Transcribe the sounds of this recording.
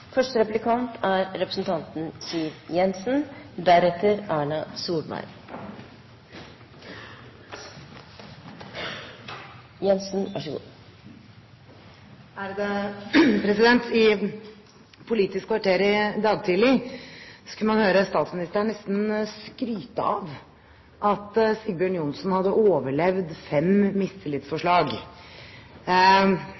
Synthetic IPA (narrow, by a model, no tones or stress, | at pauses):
fœʂʈəɾɛplɪkʰɑnt̪ʰæɾɾɛpɾəsn̩t̪ʰɑnt̪n̩siːʋjɛnsn̩d̪æɾɛt̪ʰːəɾɑːɳɑsuːlmæ̰ɪɾ | jɛnsn̩ʋɑ̰ʂəɡṵː | æɾd̪ɛpʰɾɛsɪd̪ɛnt̪ɪ | pʰʊliːt̪ɪskʰʋɑʈeːɾɪd̪ɑːɡt̪ʰɪlɪ | sɔ̥kʉnəmɑnhøːɾəst̪ɑːt̪smɪnɪst̪əɾæɳɛst̪n̩skɾyːt̪əɑ̰ʋ | ʔɑt̪sɪɡbjøːɳjʊnsnhɑd̪ːəʔoːʋəɭɛʋd̪fɛmmɪst̪ʰɪlɪt̪sfɔʂɭɑːɡ